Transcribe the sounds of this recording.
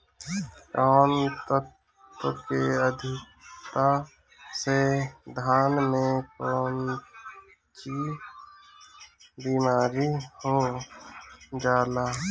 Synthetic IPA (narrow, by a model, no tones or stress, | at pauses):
kɔːnt̪ət | əkeəd̪ʱɪ | t̪a | sed̪ʱaːnmẽkɾən | t͡ʃi | biːmaːɾiho | d͡ʒaːlaː